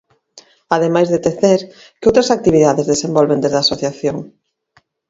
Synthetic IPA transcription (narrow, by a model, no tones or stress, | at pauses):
aðemajzðet̪eθeɾ | kɪowt̪ɾasak̚t̪iβiðaðezðesembɔlβend̪ezðaːsoθjaθjoŋ